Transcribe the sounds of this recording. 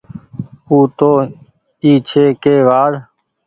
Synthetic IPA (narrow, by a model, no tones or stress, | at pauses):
uːt̪oː | iːt͡ʃʰeːkeːʋaːɽ